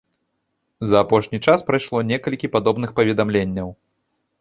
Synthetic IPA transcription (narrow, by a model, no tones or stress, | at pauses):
zɐːpɔʂnʲit͡ʂaspɾajʂlˠɔnʲɛkɐlʲkʲipad̪ɔbnɨxpɐvʲɛd̪amlʲenʲːɐw